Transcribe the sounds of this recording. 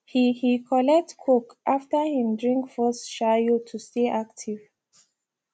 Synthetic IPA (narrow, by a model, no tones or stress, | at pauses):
hihikʰɔlɛk̚tkʰokʔaftəhĩmdɹĩŋkfɔsʃajotʰusteʔak̚tʰiv̥